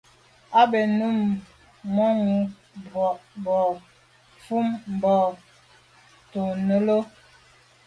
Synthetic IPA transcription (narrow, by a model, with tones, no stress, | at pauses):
a˦be˨nu˦m | mɔ˦ŋu˨˦ | bwɔ˨ʔbɔ˨ | fu˦mm̩˨bɔ˨ | to˨nə˦lo˦